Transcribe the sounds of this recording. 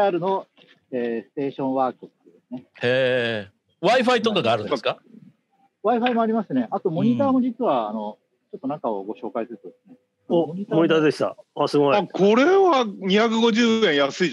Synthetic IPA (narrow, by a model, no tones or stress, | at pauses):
aɾɯ̟no̞ | eːsɨ̥t̪e̞ːɕõ̞ɰ̃βaːkɯt̪ːoɯ̟d̪e̞sɨneeː | βaiɸait̪okaɡaːɾɯ̟̃ska | βaiɸaimo̞aɾʲimasɨne̞ʔat̪o̞mo̞ɲ̟it̪aːmo̞d͡ʑit͡sɨβaːno̞ | t͡ɕo̞t̪ːo̞nakao̞̰ɡo̞ɕo̞ːkaisɨɾɯt̪od̪esɨne | ooɲit̪amoɲit̪ad̪eɕi̥t̪a̰asɨkʰo̞ɾeβaɲ̟içakɯ̟ɡo̞ʑɨːẽ̞jasɨi